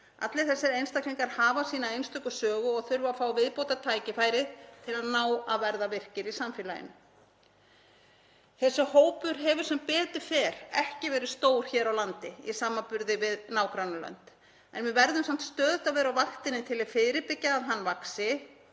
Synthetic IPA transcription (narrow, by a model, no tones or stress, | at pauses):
a̰t̪lɪθɛsːɛɾejnst̪akliŋkaɾ̥haːvasiːnaejnst̪ʏkʏsœːɣʏɔɣθʏɾvafaːwvɪðpowt̪at̪ʰaːjcɪfaːjɾɪðt̪ʰɪlaðnaːwaðvɛɾðavɪr̥cɪɾisamfɪːla̰jɪ̰nʏ | θɛsːʏhoːwpʏɾ̥ɦɛvʏɾ̥sɛmpɛːt̪ʏɾ̥fɛːɾ̥ɛhcɪvɛːɾɪst̪oːwɾ̥çɛːɾawlant̪ɪḭsaːmːapʏɾðɪvɪðnaːwkɾanʏlœ̰nt̪ | ɛ̰nvɪvɛɾðʏmsam̥t̪st̪œːðt̪avɛːɾawvaxt̪ɪnɪt̪ʰɪlɪðfɪːɾɪpɪcːaːðɦanːvaksɪ